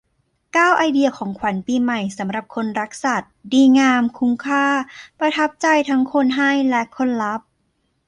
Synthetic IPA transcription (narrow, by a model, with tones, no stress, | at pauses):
kaː˥˩wʔa˧jdi˧ɐkʰɔː˩˦ŋkʰwa˩˦npiː˧ma˨˩jsa˩˦mɾa˨˩p̚kʰo˧nɾa˦˥k̚sa˨˩t̪̚diː˧ŋaː˧mkʰu˦˥ŋkʰaː˥˩pɾa˧t̪ʰa˦˥p̚t͡ɕa˧jt̪ʰa˦˥ŋkʰo˧˥nɦa˥˩jlɛ˦˥kʰo˧˥nla˦˥p̚